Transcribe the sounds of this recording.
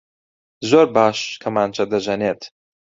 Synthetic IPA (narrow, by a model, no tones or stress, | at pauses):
zoːɾbaːʃkʰɐmaːnt͡ʃʰɐd̪ɐʒɐneːt̪